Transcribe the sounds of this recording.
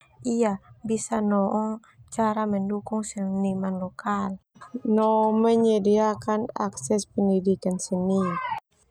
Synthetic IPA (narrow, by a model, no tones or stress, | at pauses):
ʔiabisanɔʔɔ | t͡ʃaɾaməndukʊŋsənimanlɔkalnɔməɲədiakana̰ksɛspəndidikansəni